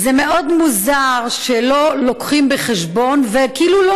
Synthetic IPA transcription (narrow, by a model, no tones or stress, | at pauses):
zeme̞ʔo̞d̪muzaʁʃelo̞lokχimbeχeʃbo̞nvekiːlulo